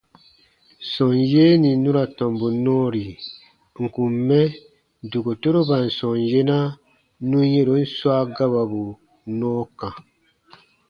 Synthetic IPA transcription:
sɔ̃˨njeː˦nĩ˨nũ˦ɾa˨tɔ̃˨mbu˨nɔ̃ː˦ɾi˨ | ŋ̩˨kũ˨mːɛ˦ | du˨ɡo˨to˦ɾo˦ba˨n̩˨sɔ̃˨nje˦nã˦ | nũ˦je˦ɾo˨˦n̩˦swaː˦ɡa˦βa˨bu˨ | nɔ̃ː˦kã˨

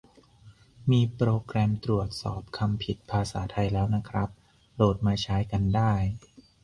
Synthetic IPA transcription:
miː˧pɾoː˧kɾɛː˧mt̪ɾu˨˩ət̪̚sɔː˨˩p̚kʰa˧mpʰi˨˩t̪̚pʰaː˧saː˩˦t̪ʰa˧jlɛː˦˥wna˦˥kʰɾa˦˥p̚ | doː˨˩t̪̚maː˧t͡ɕʰaː˦˥jka˧ndaː˥˩j

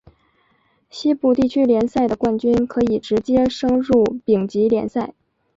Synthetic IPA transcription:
ɕi˥pu˥˩t̪i˥˩t͡ɕʰy˥ljɛ˧˥nsa˥˩ɪd̪ə˩kwa˥˩nt͡ɕy˥nkʰɤ˧˥i˨˩ʈ͡ʂɻ̩˧˥t͡ɕjɛ˥ʂɤ˥ŋɻu˥˩pi˨˩ŋt͡ɕi˧˥ljɛ̰˧˥nsa˥˩ɪ

